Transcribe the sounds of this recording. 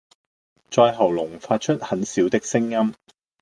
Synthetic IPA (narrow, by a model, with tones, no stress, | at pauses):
t͡sɔː˧jɦɐ˨˩wlʊ˨˩ŋfaː˧t̚t͡ʃʰɵ˥t̚hɐ˨˥nsiː˨˥wt̪ɪ˥k̚sɪ˥ŋjɐ˥m